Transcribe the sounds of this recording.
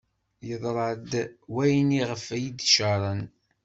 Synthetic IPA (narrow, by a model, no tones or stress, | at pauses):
jəðˤɾˤɑd̪wæjniʁəfæjid̪ʃəɾˤɑn